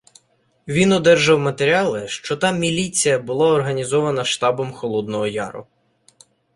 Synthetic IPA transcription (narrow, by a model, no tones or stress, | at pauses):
ʋʲinɔd̪ɛrʒɐwmɐt̪eɾʲiɑlˠɪʃt͡ʃɔt̪ɑmʲilʲit͡sʲijɐbʊlˠɑɔrɦɐnʲizɔʋɐnɐʃt̪ɑbɔmxɔlˠɔd̪nɔɦɔjɑ̰ɾʊ̰